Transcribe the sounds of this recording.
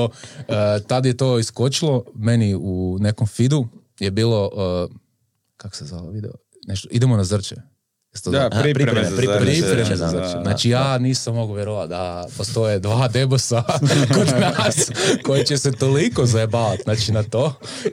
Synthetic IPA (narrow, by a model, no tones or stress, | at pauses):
oət̪ad̪je̞t̪oːiskot͡ʃilˠo̞me̞niune̞komfid̪u | jebiːlˠo̞ʔə | kako̥sezaʋid̪ɛ̰o | neʃt̪oid̪emonazr̩t͡ʃe | jest̪oɾipɾiɾipɾipɾemeanat͡ʃijaːniːsamːoɡuʋjeɾoʋad̪apost̪o̞jed̪ʋaːd̪e̞bosakod̪nasko̞jet͡ɕeset̪oliko̞zbaʋat̪naːt͡ʃinat̪oː